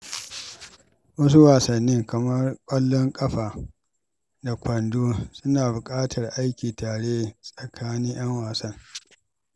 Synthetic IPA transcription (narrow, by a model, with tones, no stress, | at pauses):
wɐ˦s̬u˦waː˨sɐ˨nːɪ˦ŋkɐ˨mɐ˦rkʷʼɐ˦lːɔ˦ŋkʼɐ˦ɸaː˨ | da˨kʷɐ˨ndoː˦sʊ˦naː˨bʊ˨kʼaː˦tʰɐ˨rʔa˦jkʲiː˨taː˨ɽeː˦sʼɐ˨kʰaː˦niː˦j̰ɐ˦ŋwaː˨sɐ˦ŋ